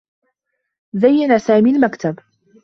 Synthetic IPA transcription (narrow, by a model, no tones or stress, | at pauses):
zajːanasaːmiːlmakt̪ab